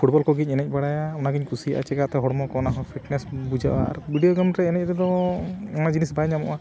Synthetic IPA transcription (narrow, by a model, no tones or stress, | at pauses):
pʰuʈbɔlkɔɡicˀɛnɛc̚ˀbaɽajaɔnaɡiɲkʰusia̰ʔa̰t͡ʃɛɡat̪ɛɦɔɽmɔkɔnaɦɔpʰiʈnɛsbud͡ʒaʔa̰ɾbiɖijoɡamɾɛːnɛc̚ˀɾɛd̪ɔɛnad͡ʒinisbaɲamɔ̰ʔa